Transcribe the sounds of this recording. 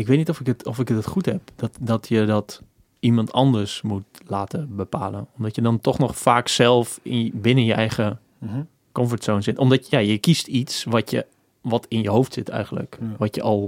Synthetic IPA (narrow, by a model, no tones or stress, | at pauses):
ɪkʋeːtnitɔfɪkətɔfɪkətətχuthɛpd̥ɔtdɔtjədɔt | imɑntʰɑndəɹsmutlaːtəbəpa̰ːlˠənɔmdɔtjədɔntɔxnɔxfaːksɛlˠfɪnbɪnənjəʔɛjɣə | kɔmfətsownsɪtɔmdɔtjajəkistitsʋɔtjə̰ | ʋɔtʰɪnjəɦowftsɪtʰɛ̰jɣən̩lə̰kʋɔtjə̰ʔɔlˠ